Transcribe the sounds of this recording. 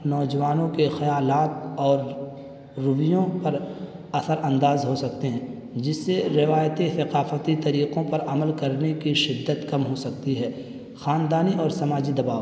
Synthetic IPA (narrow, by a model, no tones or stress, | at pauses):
nɔːd͡ʒɐʋaːnõkexɐjaːlaːt̪ɔːɾː | ʊbɪjõpɐɾ | ɐsəɾɐ̃nd̪aːzɦosɐk̚t̪eɦɛ̃ː | d͡ʒɪsːeɾɪʋaːjt̪esɐqaːfət̪it̪ɐɾiːqõpɐɾɐməlkɐɾnekiʃɪd̪ːət̪kɐmɦosɐk̚t̪iɦɛː | xaːnd̪aːniʔɔːɾsɐmaːd͡ʒid̪ɐbaːʋ